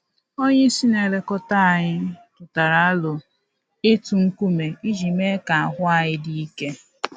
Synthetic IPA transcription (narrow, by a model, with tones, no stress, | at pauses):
o˦ɲe˦si˦ne˨ɾe˨kɔ˦ta˦a˨ɲɪ˦tʊ˨ta˨ɾa˨a˦lʊ˨ | e˦tu˨ŋ̩˦ku˦me˨i˦d͡ʒi˨me˦ka˨a˨ɦʊ˦a˨ɲɪ˦di˦i˦ke˦